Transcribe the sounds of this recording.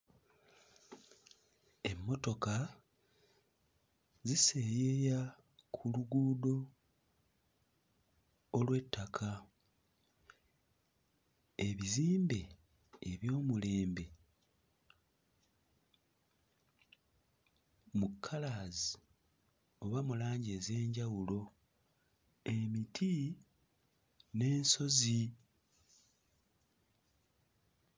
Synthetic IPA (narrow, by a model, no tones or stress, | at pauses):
e̞mːo̞to̞ka | zise̞jeja | kʰuluɡuːdo̞ | lwe̞tʰːakʰa | e̞βiziːmbe̞ː | βjo̞ːmule̞ːmbe̞ | mukʰːalaːzi | o̞βamulaːɲɟe̞ːze̞ːɲɟawulo̞ | e̞mitʰi | ne̞ːnso̞zi